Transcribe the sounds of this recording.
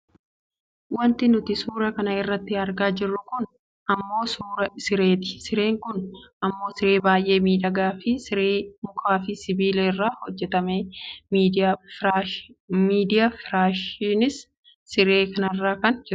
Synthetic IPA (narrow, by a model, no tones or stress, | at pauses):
wɐnt̪ɪnʊt̪ɪsuːɾɐkɐnɐɪrːɐt̪ːɪɐɾɡaːd͡ʒɪrːʊkʊn | ʔɐmːo̞ːsuːɾɐsɪɾeːt̪ɪ̥sɪɾe̞ːŋkʊnʔɐmːo̞ːsɪɾe̞ːbaːjʔe̞ːmiːd̪ɐɡaːfɪsɪɾeːmʊkʰaːfɪsɪbiːlerːaːhɔd͡ʒːɛt̪ɐmeːmi | miːd̪ɪjafɾaːʃɪnɪsː | ɪɾe̞ːkɐnɐrːaːkɐnd͡ʒɪɾʊ